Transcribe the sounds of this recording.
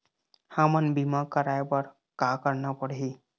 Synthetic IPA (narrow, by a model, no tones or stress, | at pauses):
hamanbimakəɾajbaɾ | kakəɾnapɔɽɦi